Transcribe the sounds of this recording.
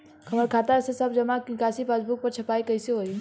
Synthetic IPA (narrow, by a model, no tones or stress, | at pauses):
kʰɐməɾkʰaːt̪aɛsesɐbd͡ʒɐmakikaːsipaːsbuk̚pɐɾt͡ʃʰɐpaːikɐiseɦoːi